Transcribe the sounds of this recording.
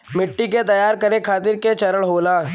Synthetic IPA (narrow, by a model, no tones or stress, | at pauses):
mɪʈːiket̪ɐjaːɾkɐɾekʰaːt̪ɪɾket͡ʃɐɾəɭɦoːlaː